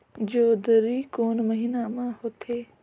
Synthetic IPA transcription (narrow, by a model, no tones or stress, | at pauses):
d͡ʑoːd̪əɾiːkoːnməɦiːnamãhot̪ʰeː